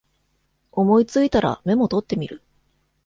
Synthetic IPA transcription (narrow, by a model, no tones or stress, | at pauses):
o̞mo̞it͡sɨit̪aɾa̰me̞mo̞t̪o̞t̪ːe̞mʲiɾɯ̟